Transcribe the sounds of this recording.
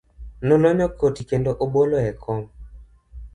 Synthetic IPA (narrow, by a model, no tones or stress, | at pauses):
nolɔɲɔkotikendoʔoɓoloɛkʰɔm